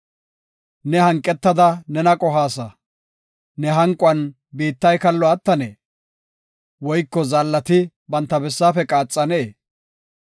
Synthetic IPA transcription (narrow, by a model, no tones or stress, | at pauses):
nɛhɐŋkʼːɛt̪ːɐd̪ɐnɛnɐkʼɔɦaːsɐ | nɛɦɐŋkʼʊɐn | biːt̪ːɐjkɐlːɔɐt̪ːɐnḛː | wɔjkːɔzɐlːɐt̪ɪ | bɐnt̪ːɐbɛsːaːfɛkʼaːt͡sʼːɐneː